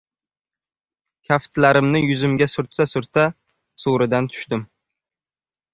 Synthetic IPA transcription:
kʲʰaft̪ʰlaɾɪmnɪjʊzɪmɡʲasʊɾt̪sasʊɾt̪ʰa | suɾɪd̪ant̪ʰʊ̥ʃt̪ɪm

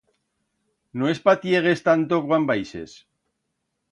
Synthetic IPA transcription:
noespat̪jeɣ̞e̞st̪ant̪okwambajsḛs

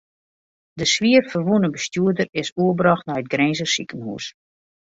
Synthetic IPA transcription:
dəsʋiərfərʋunəbəstjuədərɪsuəbrɑxtnɔjət̚ɡrezəsikənhṵːs

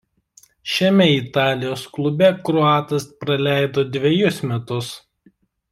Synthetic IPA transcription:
ʃʲɛmʲɛɪt̪ɑːlʲɪjoːsklˠʊbʲɛkɾɔɑːt̪ɐspɾɐlʲæˑɪd̪oːd̪ʲʋʲɛjʊsmʲɛt̪ʊs

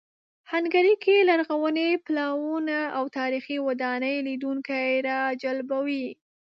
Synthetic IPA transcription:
hanɡaɾikelaɾɣawəneplɑwunaawt̪ɑɾixiwad̪ɑnəjlid̪uŋkajɾɑd͡ʒalbawi

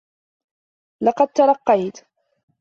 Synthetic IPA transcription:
lɑqɑd̪̚t̪ɑɾˤɑqːɑjt̪

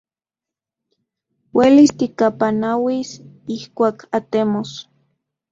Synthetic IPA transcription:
welist̪ikapanawisihkʷaːkʰat̪emos

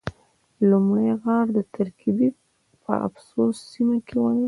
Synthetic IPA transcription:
lumɽajɣɑɾd̪ət̪aɾkibi | pə̰ʔa̰fsosːimakewan

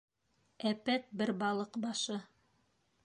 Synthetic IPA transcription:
æpæt̪̚bɘɾbɑlˠɤqbɑʃɤ

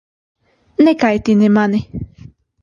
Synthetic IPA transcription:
nekajt̪inemanɪ

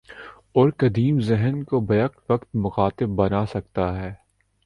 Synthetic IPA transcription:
ɔːɾkɐd̪iːmzɛɦənkobɐjɐqt̪ʋɐkt̪mʊxaːt̪ɪbːɐnasɐk̚t̪aɦɛː

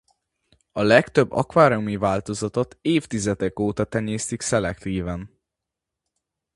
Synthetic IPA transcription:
ɒlɛkt̪ø̞bːɒ̰kʋaːɾomivaːlt̪o̞zɒt̪ot̪eːft̪izɛd̪ɛkoːt̪ɒt̪ɛɲeːst̪iksɛlɛkt̪iːvɛn

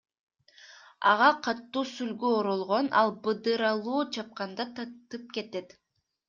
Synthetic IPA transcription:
ɑ̰ʁɑqʰɑt̪ːuːsylɡyoɾolˠʁo̞nʔɑ̰lˠbɯd̪ɯɾɑlˠuːt͡ʃʰɑp̚qɑnd̪ɑt̪ɑt̪ɯp̚ke̞t̪e̞t̪

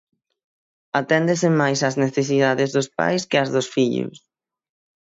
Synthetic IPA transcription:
at̪ɛnd̪esɪmajsɐzneθes̬iðaðɪzðʊspa̰jskɪazðʊsfiʎʊ̰s

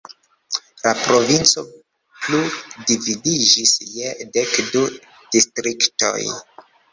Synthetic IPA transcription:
lapɾo̞vint͡so̞ | pludividid͡ʒisjedekdu | d̥istɾikto̰j

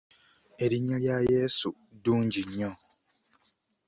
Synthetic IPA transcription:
e̞ɾiɲːaljaje̞ːsu | duːɲɟiɲːo

